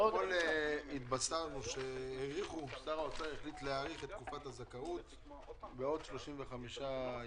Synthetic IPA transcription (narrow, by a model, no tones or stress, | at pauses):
okoleit̪basanuʃeheʁiχusaʁaot͡saʁeχlit̪leaʁiχet̪ːkufathazakaut̪ | beo̞d̪ʃloʃimveχamiʃa